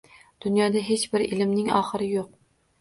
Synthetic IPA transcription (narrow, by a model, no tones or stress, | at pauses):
d̪̥ʊnjɒːd̪æɦet͡ʃbɪɾɪ̰lɪmnɪŋɒ̰χɨɾɪjoq̚